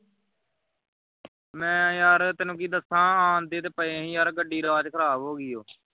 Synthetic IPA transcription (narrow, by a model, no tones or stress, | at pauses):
mɛ̃ːjaːɾt̪ɪnũːkiːd̪əsãːaːnd̪eːt̪eːpəẽɦĩːjaːɾɡəɖːiːɾaːd͡ʒkʰəɾaːbɦoːɡɪːoː